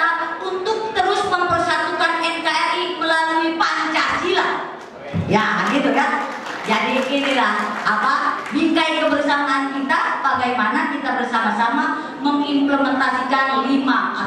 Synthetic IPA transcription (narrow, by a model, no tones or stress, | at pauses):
apunt̪ʊk̚t̪əɾʊsməmpərsat̪ukanɛnkaɛrikulaləmipant͡ʃat͡ʃilah | jaɡit̪uka | d͡ʒadiinilahapabikajkəbərsaŋankit̪ab̥aɡajmanakit̪abərsamasama | məŋimpləmənt̪asikanlima